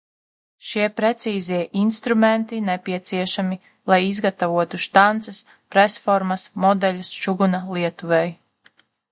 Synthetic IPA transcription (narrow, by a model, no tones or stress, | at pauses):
ʃiɛpɾet̪siːziɛʔinst̪ɾument̪inepiɛt̪siɛʃami | lˠajizɡat̪avuɔt̪uʃt̪ant̪sɐs | pɾɛsfɔɾmɐsmɔd̪ɛlʲust͡ʃuɡunalˠiɛt̪uvɛj